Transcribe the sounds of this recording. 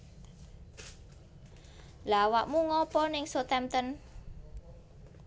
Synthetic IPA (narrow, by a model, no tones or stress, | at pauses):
lawaʔmuŋɔpɔnɪŋsot̪ɛmt̪ən